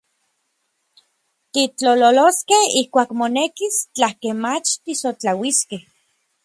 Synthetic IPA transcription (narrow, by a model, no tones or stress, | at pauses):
t̪it͡ɬololoskehihkʷaːkmonekist͡ɬahkemat͡ʃt̪isot͡ɬawiskeh